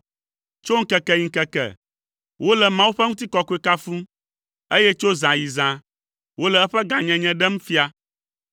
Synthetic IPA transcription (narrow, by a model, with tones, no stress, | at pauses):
t͡ʃo˦ŋ̩˦kɛ˨kɛ˨ɲĩ˨ŋ̩˨kɛ˨kɛ̰˨ | wo˦lɛ˨mã˦wu˦ɸɛ˦ŋũ˦t̪̬i˦kɔ˨ku˦e˨ka˦fũ˦ | e˦jɛ˦t͡ʃo˦zã˨ji˨zã˨ | wo˦lɛ˨ɛ˦ɸɛ˦ɡã˨ɲɛ̃˨ɲɛ̃˦ɖɛ˦m̩ũ˦fi˦a˨